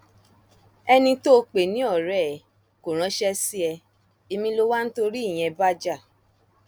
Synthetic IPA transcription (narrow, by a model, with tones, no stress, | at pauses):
ɛ˧nĩ˧to˦o˧k͡pe˨nĩ˨˦ɔ˦˨ɾɛ˦˨ | ko˨ɾ̃ã˨˦ʃɛ˦si˦ɛ˧ | e˧mĩ˧lo˧wa˦ñ̩˦to˧ɾi˦i˦˨j̃ɛ̃˧ba˦d͡ʒa˦˨